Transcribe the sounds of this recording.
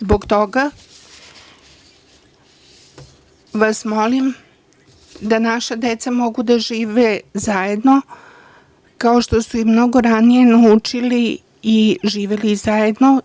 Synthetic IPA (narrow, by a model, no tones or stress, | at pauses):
zboɡt̪o̞ɡa | ʋasmo̞lim | d̪anaʃad̪et̪samo̞ɡud̪aʒiːʋezaje̞d̪no̞ | kaoʃt̪o̞suimmno̞ɡo̞ɾanije̞naut͡ʂiliː | ʒiːʋe̞lizaje̞d̪no̞